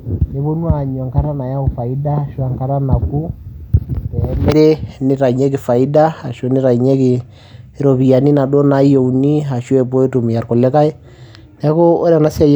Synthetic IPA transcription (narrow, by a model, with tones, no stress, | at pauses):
ne˨βɔ˦nu˦a˨ɲɔ˨ŋka˦ɾa˦na˨ja˦u˨fa˨i˦da˦˨ʃwa˨ŋka˦ɾa˦na˨ku˦ | tɛ˨ɛ˦mɛ˦ɾɛ˦nɪ˦ɾa˨ɲɛ˦kɪ˨fa˨i˦da˦a˨ʃɔ˦ni˦ɾa˨i˨ɲɛ˦ki˨˦ | ɾɔ˨βi˨a˨ni˦na˨ɗɔ˦na˨˦i˦ɔ˨u˨ni˦ɦa˨ʃɛ˨pɔ˦i˦tu˨mi˨ja˨ɾkɔ˨lɛ˦ka˦ɛ˦ | nɛ˦kɔ˦ɔ˦ɾa˨na˦si˦a˦j